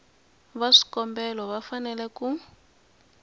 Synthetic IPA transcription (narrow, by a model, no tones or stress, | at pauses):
βaʂi̥kɔmbɛlɔβafanɛlɛku